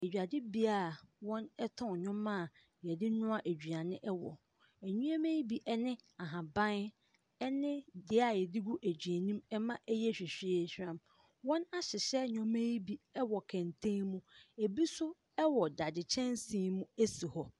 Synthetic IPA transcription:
e˨d͡ʑᶣa˨dɪ˦bi˦a˦˨wɔ̃˦nɛ˦tʰɔ̃˦˨ɲᶣʊ̃˦mã˦˨ | jɛ˨dɪ˦nʊ̃˦a˦ʔæ˨d͡ʑᶣɥa˨nɪ̃˦ʔɛ˦wɔ̰˨ | æ˨ɲũ˦ɛ˦mẽ˦ji˦bi˨ʔɛ˦nɪ̃˦a˨ɦã˨bã˦n | ɛ˦nɪ̃˦dɪ˨a˨jɛ˨dɪ˦ɡu˦ʔæ˨d͡ʑɥæ˨nĩ˦mɛ˦mã˦ʔɛ˦jɛ˦ɕᶣɪ˨ɕᶣe˦ɕᶣɾã˦m | wɔ̃˦na˦ɕɪ˨ɕɛ˦ɲᶣɔ̃˦mẽ˦ji˦bi˨ɛ˦wɔ˨kʰɛ̃˨n˨tʰẽ˦mũ˦e˨bi˦sʊ˦ | ɛ˦wɔ˨da˨dɪ˨t͡ɕʰɛ̃˦n˦sĩː˦mũ˦e˦si˨hɔ˦

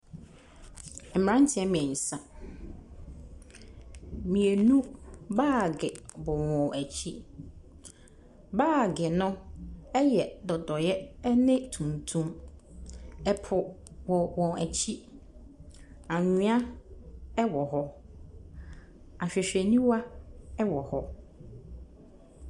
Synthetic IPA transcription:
m̩˨m˨ã˦n˦tʰɪ˦ɛ˦mɪ̃˨ɛ˨n̩˨sã˨ | mĩ˨e˨nũ˦baː˦˨ɡɪ˨bɔ˨wɔ̃˨æ˨t͡ɕʰi˦ | baː˦˨ɡɪ˨nʊ̃˦ɛ˦jɛ˨dɔ˨dɔ˨jɛ˦nɪ̃˦tʰũ˨ntʰũ˦m | ɛ˨pʰʊ˨ | wɔ˨wɔ̃˨æ˨t͡ɕʰi˦ | a˨ɲɪ̃˦a˦ | ɛ˦wɔ˨ɦɔ˦ | a˨ɕᶣɪ˨ɕᶣɛ˨nĩ˦wa˦ɛ˦wɔ˨hɔ˦

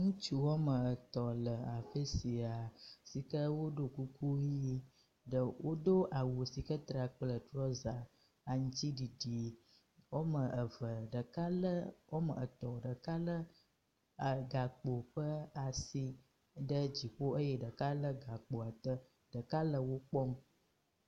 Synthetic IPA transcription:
ŋũ˦t͡ʃu˦wo˦mə˨ə˨t̪ɔ˨lə˨a˨fə˦si˨a˨si˨kə˦wo˦ɖo˦ku˦ku˦jji˦ | ɖə˨wo˦ɖo˦ʔa˨wo˨si˨kə˦t̪ɾa˨k͡plə˨t̪ɾɔ˦za˨ | a˨ŋũ˦t͡ɕi˦ɖi˨ɖi˨ | wo˦mə˨ə˨və˨ɖə˨ka˦lə˦wo˦mə˨ə˨t̪ɔ˨ɖə˨ka˦lə˦˨ | ɡa˨k͡po˨ɸə˦a˨si˦ | ɖə˦d͡ʑi˨ɸo˦ə˦jɛ˦ɖə˨ka˦lə˦ɡa˨k͡po˨a˨t̪ə˦ | ɖ̥ə˨ka˦lə˨wo˦k͡pɔ˦m

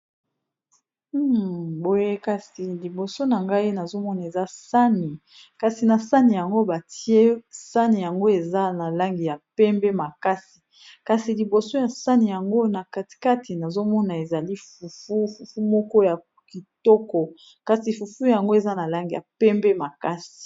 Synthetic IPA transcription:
bo˦je˦ka˨si˨li˨bo˨so˦na˨ŋɡa˦i˦na˨zo˦mɔ˦na˨e˨za˦sa˦ni˨ | ka˨si˨na˨sa˦ni˨ja˨ŋɡo˦ba˨tʰi˦e˦sa˦ni˨ja˨ŋɡo˦e˨za˦na˨la˦ŋɡi˨ja˨pɛ˦mbɛ˦ma˨ka˦si˨ | ka˨si˨li˨bo˨so˦ja˨sa˦ni˨ja˨ŋɡo˦na˨ka˨ti̥˨ka˦ti˨na˨zo˦mɔ˦na˨e˨za˨li˦fu˨fu˦fu˨fu˦mɔ˦kɔ˦ja˨ | ki˨tɔ˦kɔ˨ | ka˨si˨fu˨fu˦ja˨ŋɡo˦e˨za˦na˨la˦ŋɡi˨ja̰˨pɛ˦mbɛ˦ma˨ka˦si̥˨

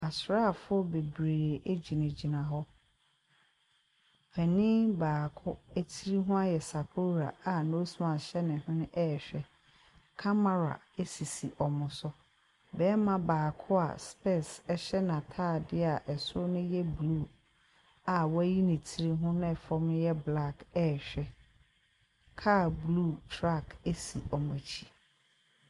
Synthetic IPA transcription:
a˨sɾa˦˨fʊ˦ɔ˦be˨bɾe˨ɾe˨ʔe˦d͡ʑi˨nɪ̃˨d͡ʑi˨nã˨ɦɔ˦ | pʰɛ˨nĩ˦baː˨kʰʊ˦æ˦tʰi˦ɾi˦ɦʊ̃˦a˦jɛ˨sa˨pʰʊ˦ɾa̰˨a˨no˦su˦mã˨ɕɛ˦nɪ̃˨hʊ̃˦nʊ̃˦ʔɛ˦˨ɕᶣɛ˨ | kʰa˦ma˦˨ɾa̰˨ | e˦si˨si˨ʔɔ˨mʊ̃˨sʊ˦ | bɛː˦mã˦baː˨kʰʊ˦a̰˨spɛ˦˨sɛ˨ɕɛ˦nã˨tʰaː˦˨dɪ˦a˨ʔɛ˨sʊ˦ʊ˦nʊ̃˦jɛ˦blu˦˨ | a˨wa˦ji˦nɪ̃˨tʰi˦ɾi˦ɦʊ̃˦nɛ̃˦˨fɔ˦m̃˦jɛ˦bla˦kɛ˦˨ɕᶣɛ˦ | kʰaː˦˨blu˦˨tʰɾa˦ke˦si˨ɔ˨mʊ̃˨t͡ɕʰi˦

